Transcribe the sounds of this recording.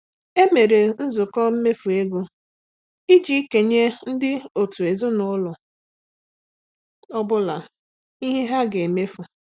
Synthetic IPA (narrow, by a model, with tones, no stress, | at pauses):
e˦me˨ɾe˨n̩˦zʊ˨kɔ˦m̩˦me˦fu˨e˦ɡu˦ | i˦d͡ʒi˦ke˨ɲe˦n̩˦dɪ˦o˨tu˨e˨zʊ˦nʊ˦lʊ˨ | ɔ˦bʊ˦la˨ | i˦ɦe˦ɦa˦ɡe˨me˦fu˨